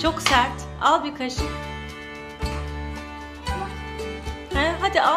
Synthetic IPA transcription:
t͡ʃʰo̞ksæɾt̪ | alˠbikʰaʃɯ | hɛɦad̪ia

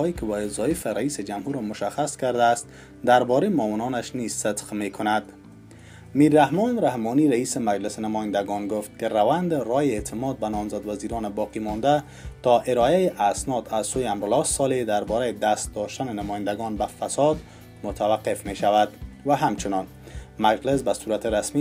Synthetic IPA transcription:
ɔjekɪbajɪzɒjɪfɪɾaised͡ʒamhuɾɔmʊʃaxaskaɾd̪aːst̪ | d̪aɾbɔɾejmɔwɪnɒnaʃniz̥sɪt̪qmekʰʊnad̪ | miɾːahmɔnɾahmɔniɾaisɪmad͡ʒlɪsnamɔjɪnd̪aɡɔnɡʊft̪̚kɪɾawand̪eɾɔjeet̪ʰɪmɔd̪̚banɔmzad̪waziɾɔnɪbɒqimɔnd̪a | t̪ɔʔɪɾɔjajeʔasnɔd̪azsojɪamɾʊlɒsɔled̪aɾbɔɾajed̪ast̪̚d̪ɔʃt̪anɪnamɔjɪnd̪aɡɔnbafasɔd̪ | mʊt̪ʰawaqːefmeʃavad̪vaɦamt͡ʃɪnɒn | mad͡ʒlɪs̬basuɾat̪ɪɾasmi

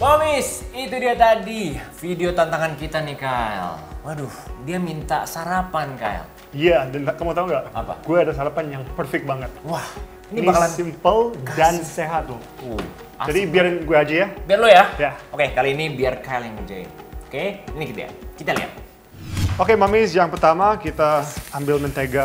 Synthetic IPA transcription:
mamɪsit̪udiat̪adifideot̪ant̪aŋankit̪anikaɛ̰lwahdʊhdiamint̪a̰saɾapanka̰ɛ̰l | ijadanakamat̪auŋɡaʔapa̰ɡuaadasaɾapanjaŋpərfɛk̚baŋət̪̚wah | ininibakalanimpəldanseɦat̪ːʊ | u | a̰d͡ʒadibiaɾnɡuaːd͡ʒajabiarlojajaokekaloinibiarkaɛljaŋd͡ʒa̰ḭ | okeinikit̪a̰ja̰kit̪alḭa̰t̪̚ | okemamɪsjaŋpərt̪amakit̪aːmbɪlmənt̪eɡa

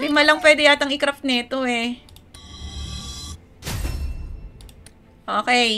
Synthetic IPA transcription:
bɪmɐlɐŋpwɛːd̪ɪjaːt̪ɐŋɪkɾɐfnɛt̪oɛ | ʔoːkɛ

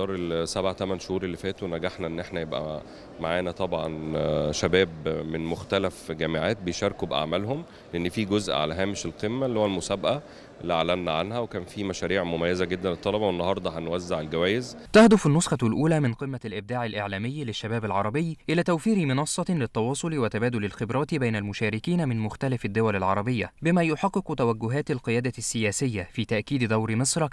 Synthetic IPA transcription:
ɑːɾˤelsæbʕat̪æmænʃohuːɾelːifæːt̪onæɡeħnæʔenːʔeħnæjebʔæ̰ | maʕaːnæt̪ˤɑbʕɑ̰nʃæbæːbmenmoxt̪ælæfɡæːmeʕaːt̪̚bejʃɑɾkubʔa̰ʕmælhom | leʔenːfiːɡozʔʕa̰læɦæːmeʃelqemːælːihowælmosæbʔæ | ʔlːiʔaʕlːænːæʕanhæwekæːnfiːmæʃæːɾiːʕmomæjːezæɡed̪ːænlet̪ˤːɑlɑbɑwenːɑhɑɾˤd̪ˤɑhænwæzːeʕelɡæwæːjez | t̪ahd̪ʊfɪnːosxɑlʔuːlæːmɪnqɨmːælʔɪb̚d̪aːʕɪlʔeʕlæːmɪjːlɪʃːæbæːbɪlʕɑɾˤɑbɪjːʔɪlæːt̪æwfiːɾimɪnɑsˤːɑlɪt̪ːɑwɑːsˤolwɪt̪æbæːd̪ʊlɪlxɪbɾˤɑːt̪bæjnælmʊʃæːɾɪkiːnæmɪnmʊxt̪ælæfɪd̪ːowælɪlʕɑɾˤɑbɪjːabɪmæːjoħɑqːɨqt̪æwæɡːʊɦæːt̪lqɨjæːd̪æsːɪjæːsɪjːæfiːt̪æʔkiːd̪d̪æwɾmesˤɾˤɑk

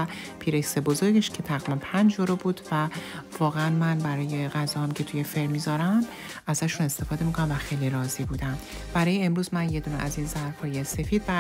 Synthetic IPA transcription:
pʰiːɾeksebo̞zo̞ɾɡeʃcʰe̞t̪ʰæɣimimpʰænd͡ʒd͡ʒoɾobuːd̪vævɒːɣeænmænbæɾɒːje̞ɣæzɒːhæmcʲʰe̞t̪ʰujefe̞ɾmizɒːɾæm | æzæʃune̞st̪e̞fɒːd̪e̞mikʰonæmvæxe̞jliɾɒːziːbuːd̪æm | b̥æɾɒːjeemɾuːzmænje̞d̪uːnḛʔæzinzæɾfhɒːje̞se̞fiːd̪bæ

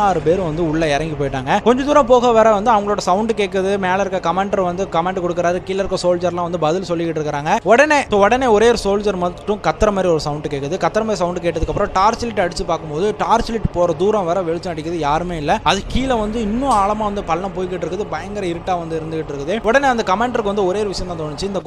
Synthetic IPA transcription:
aːɾɯpeːɾ̃ʋɐnd̪ɯʊɭːɐɛɾɐŋɡipoːjɪʈːaːŋɡɐkɔɲd͡ʒɐd̪uːɾɐ̃mpoːɣɐʋɐːɾɐʋɐnd̪ɯɐʋɐŋɡɐɭoːɽɐsɐʊɳɖɯkeːkːɐðɯmeːlɐɪɾɯkːɐkɐmeɳɖɐɾʋɐnd̪ɯkɐmeːɳɖkɔɽɯkːɪɾaːɾɯkiːlɐɾɯkːɐsoːld͡ʒɐɾlãːʋɐnd̪ɯbɐðɪlsɔlːɪkɪʈːɪɾɯkːɪɾaːŋɡɐɔɽɐneːsoːɔɽɐneːɔɾeːɾɯsoːld͡ʒɐɾmɐʈːʊ̃kɐt̪ːɐɾɐmaːd̪ɾiɔɾɯsɐʊɳɖɯkeːkːɐðɯkɐt̪ːɐɾɐmaːd̪ɾis̬ɐʊɳɖɯkeːʈːɐðɯkːɐpːɾɐ̃ʈaːɾsɪlɪʈːɐɽɪt͡ʃːɯpaːɾkːɯmpoːðɯʈaːɾsɪlɪʈːpoːɾɐd̪uːɾɐ̃ʋɐːɾɐʋɛɻɯt͡ʃːɐ̃ɐɽɪkːɐðɯjaːɾɯmeːɪlːɐɐðɯkiːlɐʋɐnd̪ɯɪnːʊ̃aːɭɐmaːʋɐnd̪ɯpɐlːnɐ̃poːjɪkːɪʈːɪɾɯkːɐðɯpɐjɐŋɡɐɾɐɪɾɯʈːaːʋɐnd̪ɯɪɾɯnd̪ɯkɪʈːɪɾɯkːɐðɯɔɽɐneːɐnd̪ɐkɐmeːɳɖɐɾkːɯʋɐnd̪ɯɔɾeːɾɯʋɪʂɐjɐ̃naːt̪oːɳɪt͡ʃːɯɪnd̪ɐ

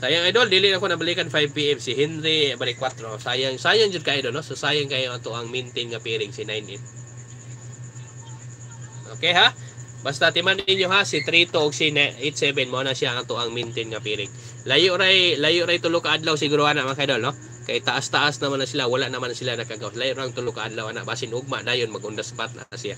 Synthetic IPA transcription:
sajaŋajd̪old̪iːlɪʔakonɐbalikanfajb̚piɛmsihɛnɾibaɾikwat̪ɾosajaŋsajaŋd͡ʒʊd̪̚kaʔːjd̪olnososaːjaŋkajoʔat̪uʔaŋmint̪ɪnŋapiɾɪɡsinajnʔɛt̪̚ | ʔokeɦa | bast̪at̪ɪmanɪɲjoɦasit̪ɾit̪oʔʊɡsinaet̪̚sɛbɛnmoonasiaʔat̪uʔaŋmint̪ɪnŋapiɾɪɡ | lajʊʔɾajlajʊʔɾajt̪ʊlʊkaad̪lawsɪɡuːɾoanaʔmakajd̪onːo | kajt̪aʔast̪aʔasnamanasilawalaʔnamanasilanakaɡawslajʊʔɾaŋt̪ʊlʊkaad̪lawʔana̰ʔbasɪnʊɡ̚ma̰ʔdaːjʊnmaɡʊnd̪asḁpat̪̚na̰ʔasia

